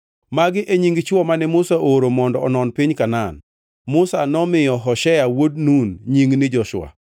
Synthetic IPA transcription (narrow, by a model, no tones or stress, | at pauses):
maɡɪʔeɲiŋɡt͡ʃwɔmanɛmʊsaʔoɾomɔndɔɔnɔnpiɲkanan | mʊsanɔmɪjɔɦɔʃɛjawod̚nunɲiŋɡnɪd͡ʒɔʃwa̰